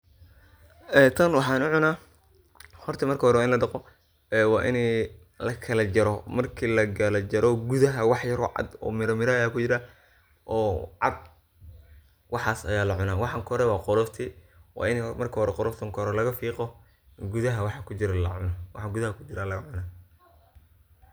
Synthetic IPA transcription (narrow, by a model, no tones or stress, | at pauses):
ʔɛːt̪ʰɐnwɑħɑːnʊʕʊnaː | hɔrt̪ʰɐmɐrkʰːhɔɾɛwaːɪnlɐd̪ɐqɔ | ɛːwɑːʔɪ̰nɛ | lɐkʰɐlɐd͡ʒɐɾɔmɐrkʰiːlɐɡɐlɐd͡ʒɐɾʔɔɡʊðɐɦɐwɑħjɐɾɔ̰ʕɑ̰d̪ɔ̰ːmɪɾɔmɪɾɐaːkʰʊt͡ʃɪɾa | ʔɔːʕɑ̰d̪ | wɑħɑːsɐ̰jaːlɐʕʊnaːwɑħɑŋkɔɾɛwɑːqɔlɔːst̪ʰi | wɑ̰ːɪnɛmɐrkʰɐhɔɾɛqɔɾɔft̪ʰɐŋkʰːɾɛlɐɣɐfiːqɔ | ɡʊðɐɦɐwɑħɑkʰʊt͡ʃɪɾɐlɐ̰ʕʊ̰nwɑħɑɡʊðɐhɐkʰʊt͡ʃɪɾaːlɐɣɐʕʊnaː